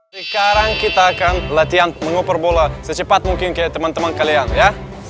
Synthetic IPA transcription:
səkaɾaŋkit̪aːkanlat̪ianməŋopərbolasət͡ʃəpat̪̚muŋkɪnkajat̪əmant̪əmankalianja

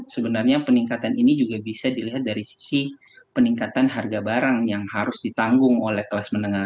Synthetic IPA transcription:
səbənarɲapəniŋkat̪aninid͡ʒuɡabisadiliɦat̪̚daɾisi̥si | pəniŋkat̪anɦarɡabaɾaŋjaŋhaɾʊsdit̪aŋɡʊŋolɛhkəlasmənəŋa

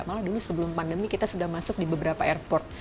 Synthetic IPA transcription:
aʔmaladulusəbəlʊmpandəmikit̪asudahmasʊk̚dibəbəɾapaɛrpɔrt̪̚

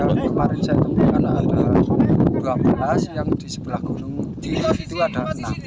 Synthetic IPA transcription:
aləmaɾɪnsajak̪əmpikanada | duapalasjaŋd̪isəb̥əlahɡ̥onʊŋt̪ilahit̪uadana

